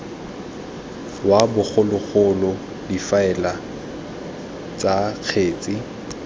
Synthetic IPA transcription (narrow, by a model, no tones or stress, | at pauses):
wabʊk͡xʰʊlʊɣʊlʊ | difaɛla | t͡sʼak͡xʰeːt͡sʼɪ